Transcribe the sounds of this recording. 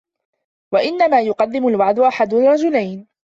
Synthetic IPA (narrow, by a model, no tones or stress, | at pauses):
waʔɪnːamaːjʊqɑd̪ːɪmʊlwaʕd̪ʊʔaħad̪rˤːɑd͡ʒʊlajn